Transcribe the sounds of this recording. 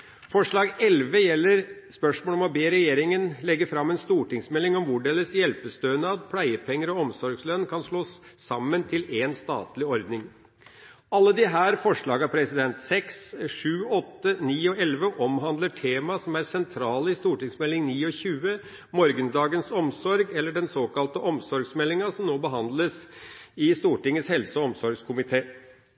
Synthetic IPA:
fɔʂɭɑːɡɛlʋəjɛlːəɾspœʂmoːlɔmɔbeːɾɛjeːɾɪŋənlɛɡːəfɾɑmːɛnst̪uːʈɪŋsmɛlːɪŋɔmʋʊɖeːləsjɛlpəst̪øːnəɑt̪pʰlæɪəpʰɛŋːəɾɔɔmsɔɾɡslœnːkʰɑnʂɭoːsː | ɑmːənt̪ʰɪleːnst̪ɑ̰ːt̪lɪɔɾd̪nɪŋ | ɑlːəd̪ɪɦæːɾfɔʂɭɑːɡɑpʰɾɛsɪd̪ɛnt̪sɛksʂʉːɔt̪ːəniːɔɛlʋəʔɔmɦɑnd̪ləʈʰeːmɑsɔmæɾsɛnt̪ʰɾɑːləɪst̪uːʈɪŋsmɛlːɪŋniːɔçʉːə | mɔɾɡənd̪ɑːɡənsɔmsɔɾɡɛlːəɖɛnsoːkɑlt̪əʔɔmsɔɾɡsmɛlːɪŋɑsɔmnoːbəɦɑnd̪ləsɪst̪uːʈɪŋːəshɛlsəɔɔmsɔɾɡskʰʊmɪt̪ʰeː

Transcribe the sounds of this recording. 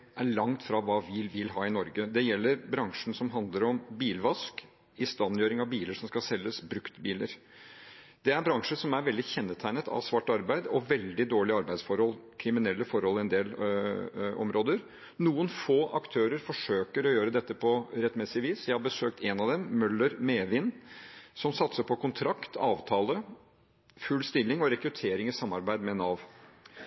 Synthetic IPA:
ʔæɭɑŋt̪fɾɑʋɑːʋɪʋɪlɦɑːɪnɔɾɡəd̪ɛjɛlːəɾbɾɑŋʂn̩sɔmɦɑnd̪ləɾɔmbiːlʋɑsk | ɪst̪ɑnjøːɾɪŋɑʋbiːləʂɔmskɑsɛlːəsbɾʉkt̪biːləɾ | d̪̥ɛæɾbɾɑŋʂəsɔmæɾʋɛld̪ɪçɛnːət̪ʰæɪnət̪ʰɑ̰ʋsʋɑʈːɑɾbæɪd̪ɔʋɛld̪ɪd̪oːɭɪɑɾbæɪd̪sfɔɾhɔlkʰɾɪmɪnɛlːəfɔɾhɔlɪɛnd̪eːl | ɔ̰mɾoːd̪əɾ | nuːənfoːʔɑkt̪ʰøːɾəɾfɔʂøːkəɾɔjøːɾəd̪ɛt̪ːəpʰɔɾɛt̪ːmɛsɪʋiːsjæɪhɑɾbəsøːk̚t̪eːnɑʋd̪ɛmːœlːəɾmeːʋɪnsɔmsɑt̪səpʰɔkʰʊnt̪ʰɾɑkt̪ʰɑːʋt̪ʰɑːlə | fʉlst̪ɪlːɪŋɔɾɛkɾʉt̪ʰeːɾɪŋɪsɑmːɑɾbæɪd̪mɛnɑʋ

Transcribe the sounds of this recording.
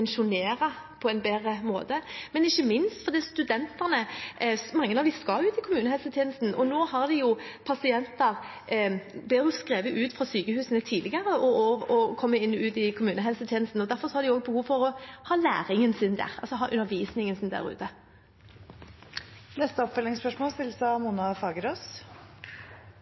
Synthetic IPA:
ɛnʃʊneːʁə | pʰɔɛnbeːʁəmo̰ːt̪əmɛnɪçːəmɪnst̪fɔʁd̪iːɑt̪st̪ʉd̪ɛnt̪əʁnə | mɑŋːənɑʋd̪ɪskɑlʉːt̪ɪkʰʊmʉːnəɦɛlsət̪ʰjɛːnəst̪n̩ʔɔnoːhɑʁd̪ɛjʊpʰɑsɪɛnt̪ɑʁ | blɪjʊskʁeːʋəʔʉːt̪fʁɑsyːkəhʉːsənət̪ʰiːlɪɡəʁəɔɔɔkʰɔmːəɪnːʉːt̪ɪkʰʊmʉːnəɦɛlsət̪ʰjeːnəst̪n̩ɔd̪æʁfɔʁsɔhɑɾd̪ɪoːɡəbəhuːʋfɔʁɔhɑːlæ̰ːʁɪŋənsɪnd̪æ̰ːʁɑ̰lsɔɦɑːʔʉnːəʁʋiːsnɪŋənsɪnd̪æ̰ʁʉ̰ːt̪ə | nɛst̪əɔpfœlɪŋspœʂmoːst̪ɪlsɑmunɑfɑːɡəɾoːs

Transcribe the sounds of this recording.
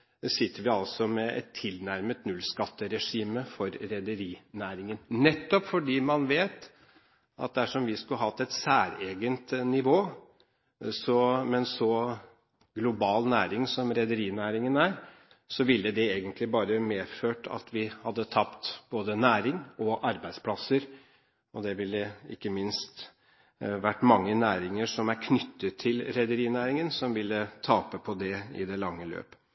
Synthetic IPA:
sɪt̪ːəɾʋɪɑlsɔmɛʔɛ̰t̪ʰːɪlnæɾmət̪nʉlskɑt̪ːəɾɛʂiːməfɔɾɾɛd̪əɾiːnæːɾɪŋənnɛt̪ːɔpfɔɖiːmɑnʋeːt̪ | ʔɑ̰t̪̚d̪æʂɔmʋɪskʉəhɑt̪ːɛt̪sæːɾeːɡənt̪nɪʋoː | sɔmɛnsɔ | ɡlʊbɑːlnæːɾɪŋsɔmɾɛd̪əɾiːnæːɾɪŋənæːɾ | sɔʋɪlːəd̪ɛeːɡənt̪ʰlɪbɑːɾəmeːføːʈʰɑ̰t̪ʰʋɪhɑd̪ːət̪ʰɑpt̪b̥oːd̪ənæːɾɪŋɔʔɑɾbæɪd̪spʰlɑsəɾ | ɔd̪ɛʋɪlːəɪ̰kːəmɪnst̪ | ʋæʈːmɑŋːənæːɾɪŋəʂɔmæɾkʰnʏt̪ʰːət̪ʰːɪlɾɛd̪əɾiːnæːɾɪŋənsɔmʋɪlːət̪ʰɑːpəpʰɔd̪ɛɪ̰d̪ɛlɑŋːəlø̰ːp

